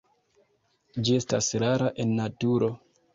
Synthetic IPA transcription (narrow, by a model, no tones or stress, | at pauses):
d͡ʒie̞stasɾaɾaʔe̞nːatuɾo̞